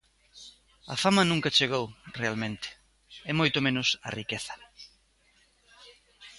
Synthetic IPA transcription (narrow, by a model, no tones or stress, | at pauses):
ɐ̰famɐnũŋkɐt͡ʃeɣ̞owrealmẽnt̪ɪ̥ | ɛmojt̪omẽnʊsɐ̰rikeθɐ̥